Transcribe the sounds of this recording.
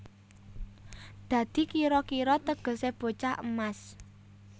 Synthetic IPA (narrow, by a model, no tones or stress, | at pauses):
d̪̥ä̤d̪̥i̤kiɾɔkiɾɔt̪əɡ̥ə̤seb̥o̤t͡ʃaʔəmas